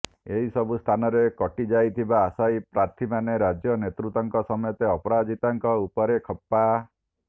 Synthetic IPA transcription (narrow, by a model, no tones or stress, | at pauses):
eɦisɔbust̪ʰanɔɾekɔʈid͡ʒajt̪ʰibaːsajpɾaɾt̪ʰimaneɾad͡ʒjɔnet̪ɾut̪ɔŋkɔsɔmɔjɔt̪eɔpɔɾad͡ʒit̪aŋkɔupɔɾekʰɔpːa